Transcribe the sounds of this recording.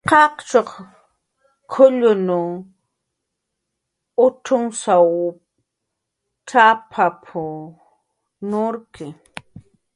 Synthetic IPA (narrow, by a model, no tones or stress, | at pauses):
qɑqt͡ʃoq | kʰʊʎʊnʊ | ʊtʊŋsaw | ʈ͡ʂʰapʰapʰʊ | nʊɾkɪ